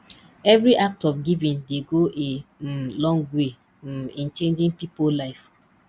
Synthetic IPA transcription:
ɛvɾiʔak̚tɔfɡivĩndeɡoʔelɔ̃ŋɡwe | ĩnt͡ʃẽnd͡ʒĩŋpipolaɪf

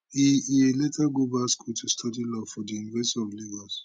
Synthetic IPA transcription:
iieletaɡobaskʰutʰustʰɔdilɔfɔdijunivɛstiɔvleɡɔs

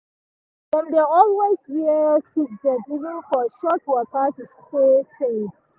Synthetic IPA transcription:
dɛ̃ndɛɔlwezɹiəfid̚bɛkivə̃nfɔʃɔtwɔkətustesev̥

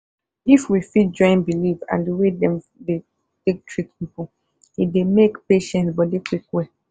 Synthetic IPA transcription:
ifwifit̚d͡ʒɔ̃ɪ̃nbilivã̰ndewedɛ̃m | de | tek̚tʰɹit̚pipo | idemekpeʃɛ̃nsbɔdekwikwɛ

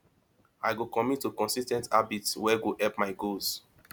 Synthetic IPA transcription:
aɪɡokɔ̃mitːukɔ̃nsistɛ̃ntʰabitswɛɡohɛpmaɪɡoz

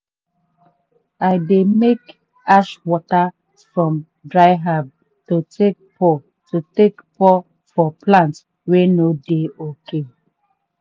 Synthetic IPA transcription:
aɪdemek | aʃwɔta | fɹɔ̃m | dɹaɪɦab̚ | tutʰek̚pʰɔ | tutekpʰɔ | fɔplãnts | wenodeokʰe

